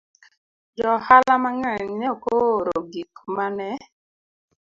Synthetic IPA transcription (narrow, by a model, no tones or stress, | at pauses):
d͡ʒɔhalamaŋɛɲɲɔkooɾoɡikmanɛ